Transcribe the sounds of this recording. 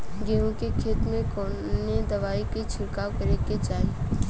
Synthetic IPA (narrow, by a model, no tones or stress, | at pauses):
ɡeːõkekʰeːt̪mẽkɔː | ned̪ɐʋaːiket͡ʃʰɪlkaːwkəɾeket͡ʃaːɦiː